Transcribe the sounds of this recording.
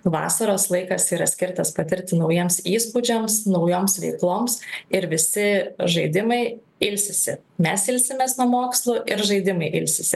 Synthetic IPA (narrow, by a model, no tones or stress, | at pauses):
ʋɑ̰ːsɐɾoːslˠɐɪkɐsiːɾɐsʲkʲɪɾt̪ɐspɐt̪ʲɪɾʲt̪ʲɪnɐʊjiɛmsiːspud͡ʒʲɛmsnɒʊjoːmsʋʲɛ̰ɪklˠoːmsɪɾʋʲɪsʲɪʒɐɪd̪ʲɪmɐɪ | ɪlʲsʲɪsʲɪ̰mʲɛsɪlʲsʲɪmʲeːsnuɔmoːkslˠʊʔɪɾʒɐɪd̪ʲɪmɐɪʔɪlʲsʲɪsʲɪ